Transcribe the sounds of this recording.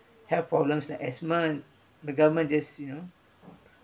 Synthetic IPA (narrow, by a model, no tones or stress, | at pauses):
hɛvpɹɔblə̃mslakɛsmə̃n | dəɡavəmə̃nd͡ʒasjuno